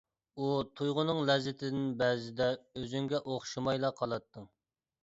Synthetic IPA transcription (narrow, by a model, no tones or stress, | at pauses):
ut̪ʰujʁʊnɨŋlɛzɪt̪ʰɪd̪ɪnbɛzɪd̪ɛøzyŋɡʲɛʔoχʃimɑjlˠɑqʰːɑlˠɑt̪ʰːɨŋ